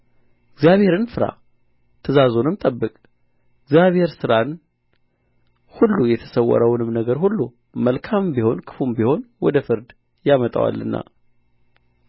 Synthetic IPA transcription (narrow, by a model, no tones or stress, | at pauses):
ɪɡzjaβhe̞ɾɨnfɨɾa̰ | t̪ʰəzazo̞nɨmt̪ʼəbːɨkʼ | ɪɡzijaβhe̞ɾsɨɾan | hulːujɛt̪ʰə̥səwːɔ̰ɾəwnɨmnəɡəɾhulːu | məlkʰambiho̞nkʰɨ̥fumbiho̞nwɔd̪əfɨɾd̪ | jamət̪ʼə̰wa̰lːɨnːa̰